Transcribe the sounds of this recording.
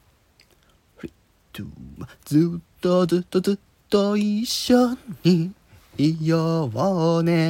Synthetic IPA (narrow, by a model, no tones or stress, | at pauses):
ɸɾi | t̪ʰɯ̰ad͡zɨt̪ːod͡zɨt̪ːod͡zɨ | t̪ːoiɕoi | ijoβone